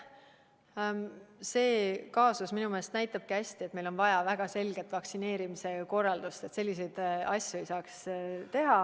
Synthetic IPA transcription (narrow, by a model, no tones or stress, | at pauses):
se̞ːkɑːsusminumeːst̪næjt̪ːˑɑb̥̚kæsʲt̪iemelo̞nvɑjɑvæɡ̥ɑse̞lɡ̥e̞t̪ːˑvɑksine̞ːɾimise̞ko̞rːɑld̪ust̪e̞t̪se̞lʲːis̬e̞jd̪̥ɑsʲjue̞jsɑːkst̪e̞ɦɑ